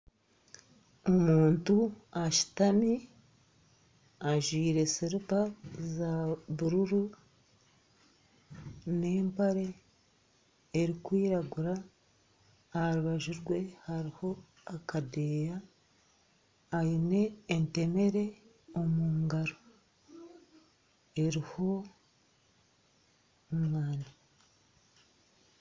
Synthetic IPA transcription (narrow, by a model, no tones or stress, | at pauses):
omuːntuaʃi̥tami | aʒwiːɾe̞siɾipazaβuɾuɾu | ne̞ːmpaɾe̞ | ɾikwiːɾaɡuɾa | ahaɾuβaʒuɾɡwe̞haɾiho̞ | akʰade̞ja | jine̞ːnte̞me̞ɾe̞ | o̞muːŋɡaɾo | e̞ɾiho̞ | umwaːna